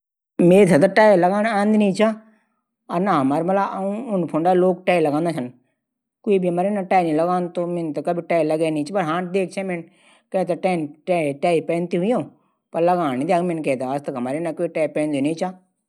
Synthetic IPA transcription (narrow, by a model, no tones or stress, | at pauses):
mẽːt̪ʰet̪aʈaːiləɡaːnãːnd̪inĩːt͡ʃaː | əɾnaːɦəmaːɾməlaʔũːʊnpʰʊɳɖaːloːk̚ʈaːiləɡãːnd̪aːt͡ʃʰən | koːiːbiːəmaːɾeːnaʈaːnĩləɡaːnt̪oːment̪akəbʱiʈaːləɡɛːnĩːt͡ʃːpəɾɦãːd̪eːk̚ʰt͡ʃʰɛ̃ːmɛ̃n | kɛ̃ːt̪aʈɛːnʈaːipɛ̃ːnt̪iːɦʊiõː | pəɾləɡaːñid̪aːmẽnkɛːt̪aːəst̪əkɦəmaːɾenaːkoːiʈɛːpɛ̃ːnd̪inĩːt͡ʃaː